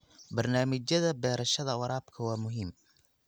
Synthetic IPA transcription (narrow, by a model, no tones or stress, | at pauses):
bɐrnaːmɪt͡ʃjɐðɐbɛːɾɐʃɐðɐwɑɾaːbkʰɐwɑːmʊɦiːm